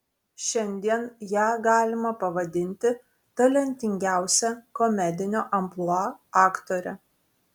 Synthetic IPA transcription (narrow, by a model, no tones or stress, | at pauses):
ʃʲɛnʲd̪ʲiɛnjæːɡɑːlʲɪmɐpɐʋɐd̪ʲɪnʲt̪ʲɪ | t̪ɐlʲɛnʲt̪ʲɪŋʲɡʲæˑʊsʲɛkɔmʲɛd̪ʲɪnʲoːʔɐmplˠɔɑːkt̪oːɾʲɛ